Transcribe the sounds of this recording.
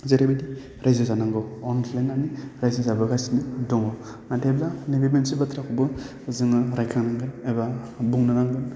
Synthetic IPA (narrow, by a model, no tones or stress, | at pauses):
zeɾebadi | ɾajzɯzanaŋɡɯɔnʰlajnaniɾajzɯzabɯɡasinidɔŋɔ | mateblanibibensibɯtʰɾakʰɔbɯ | zɯŋɯɾajkʰaŋnaŋɡɯneba | buŋnɯnaŋɡɯn